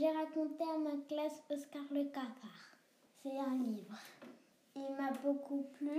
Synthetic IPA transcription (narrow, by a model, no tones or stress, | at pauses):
ʒeʁakɔ̃t̪eamaklasɔskaʁləkapaʁ | sɛɛ̃livʁ | ilmabokuply